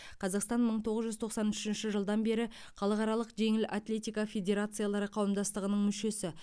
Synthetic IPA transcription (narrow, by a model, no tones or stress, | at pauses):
qʰɑzɑqst̪ɑnməɴt̪ʰo̞ʁəzʒʏzt̪ʰo̞qsɑnʏʃɪnʃɪʒəlˠd̪ɑnbe̞ɾɪ | χɑlˠəqɑɾɑlˠəqʒe̞ŋɪlʔa̰t̪lʲe̞t̪ʲijkɑfʲe̞dʲe̞ɾat̪sɨjalˠɑɾəqʰɑwəmd̪ɑst̪əʁənəɴmʏʃe̞sɪ